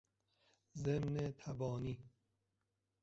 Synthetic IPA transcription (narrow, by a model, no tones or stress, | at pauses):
zemnet̪ʰabɔːniː